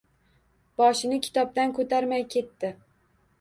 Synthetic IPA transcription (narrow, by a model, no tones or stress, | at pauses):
b̥ɒʃɪnɪkʲʰɪ̥t̪ʰɒp̚d̪ankʰɵt̪ʰaɾmajkʲʰe̞t̪ːɪ